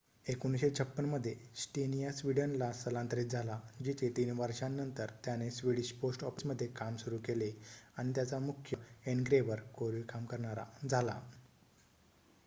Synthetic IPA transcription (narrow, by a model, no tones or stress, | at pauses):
ekuñɕet͡ɕʰəpːənməd̪ʱːjesʈenijasʋiɖənlasəlãnt̪ɾiːt̪̚d͡zʱalad͡ʑit̪ʰet̪iːnʋəɾʂãnːənt̪əɾt̪janesʋiɽiɕposʈɔfit͡sməd̪ʱːjekamsuɾuːkeleaɽ̃it̪jat͡samukʰjəeɳɡɾeʋəɾkoɾʋiːkamkəɾɳaɾa̰d͡zʱala̰